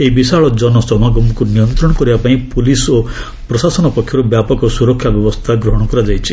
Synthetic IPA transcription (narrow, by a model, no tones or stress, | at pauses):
eibisaɭɔd͡ʒɔnɔsɔmaɡɔmɔkunijɔnt̪ɾɔɽɔkɔɾibapaĩpuliso | pɾɔsasɔnɔpɔkʰːjɔɾubjapɔkɔsuɾɔkʰːjabjɔbɔst̪ʰaɡɾɔɦɔɽ̃ɔkɔɾad͡ʒajt͡ʃʰi